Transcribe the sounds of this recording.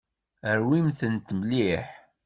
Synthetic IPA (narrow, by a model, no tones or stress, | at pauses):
əɾwimθənt̪mliħ